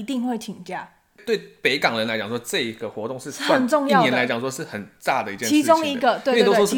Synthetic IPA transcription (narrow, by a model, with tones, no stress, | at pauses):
t̪i˥˧ŋxwe˥˩ɪt͡ɕʰi˨˩ŋt͡ɕja˥˩ | t̪we˥˩ɪpe˧˥ɪkɑ˨˩ŋɻə˧˦nla˧ɪt͡ɕjɑ˨˩ŋʂwɔ˥ʈ͡ʂɤ˥˩i˥ɡ̥ə˨xwɔ̰˧˥t̪ʊ˥˧ŋʂɻ̩˥˩aə˥˨nʈ͡ʂʊ˥˧ŋjɑ˥nɛ˧˦la˧ɪt͡ɕɑ˨˩ŋʂwɔ˥ʂɻ̩˥˩xə˨˩nt͡sa˥˩d̪ə˩i˧˥t͡ɕjɛ˧i˧˥ʊ˥ŋi˧˥ɡə˧t̪we˥˧˥o˥wɔ˥˩˥